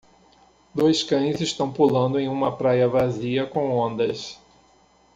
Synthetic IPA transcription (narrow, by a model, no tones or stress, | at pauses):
d̪ojskɐ̃j̃zɪʃt̪ɐ̃w̃pulɐ̃nd̪ʊẽj̃ũmɐpɾajɐvaziɐkõw̃õnd̪ɐs